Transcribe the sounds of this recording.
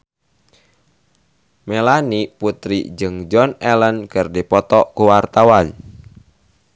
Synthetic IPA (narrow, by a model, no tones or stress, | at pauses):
melaniput̪ɾḭd͡ʒɨŋd͡ʒɔnɛlənkərdipɔt̪ɔʔkuwart̪awan